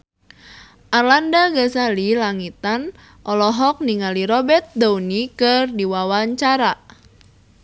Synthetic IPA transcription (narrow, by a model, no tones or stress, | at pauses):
ʔarlandaɡasalilaŋit̪an | ʔɔlɔɦɔk̚niŋaliɾɔbɛt̪̚d̪aunikɨrdiwawaɲt͡ʃaɾa